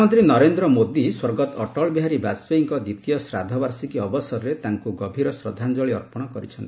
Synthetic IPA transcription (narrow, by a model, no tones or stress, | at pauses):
ɔnt̪ɾinɔɾend̪ɾɔmod̪iswɔɾɡɔt̪ɔʈɔɭbiɦaɾibasbeiŋkɔd̪it̪ijɔsɾad̪ʱɔbaɾsikiɔbɔsɔɾɾet̪aŋkuɡɔbʱiɾɔsɾɔd̪ʱand͡ʒɔɭiɔɾpɔɽ̃ɔkɔɾit͡ʃʰɔnt̪i̥